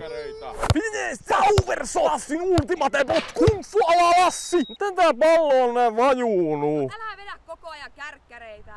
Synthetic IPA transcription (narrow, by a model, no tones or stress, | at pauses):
pinesɑuʋersoɑsːinuːt̪imɑt̪epot̪kunsːuɑlɑlɑsːimut̪ent̪æːpɑlːoːnneʋɑjuːnuː | e